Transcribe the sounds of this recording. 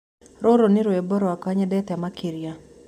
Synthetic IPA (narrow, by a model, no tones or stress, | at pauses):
ɾoɾonɪɾweboɾɔakaɲɛdɛt̪amakʰiɾja